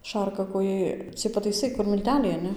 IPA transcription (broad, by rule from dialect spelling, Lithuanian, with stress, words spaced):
ˈʃɐrkɐkoːjɛɪ t͡sʲiɛj pɐtɐɪˈsɐɪ kʊr mʲɪlʲˈtʲæːlʲɛɪ ɐˈnʲɛ